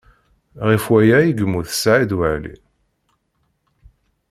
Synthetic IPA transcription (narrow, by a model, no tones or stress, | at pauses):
ʁifwæjæjiɡmuθə̥sʕid̪waʕlḭ